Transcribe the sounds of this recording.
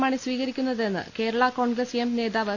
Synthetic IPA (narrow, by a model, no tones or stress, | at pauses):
maːɳisʋiːɣɐɾikʲːunːɐðenːɨ̰ke̞ːɾɐɭɐko̞ːɳɡɾesemne̞ːðaːʋɐ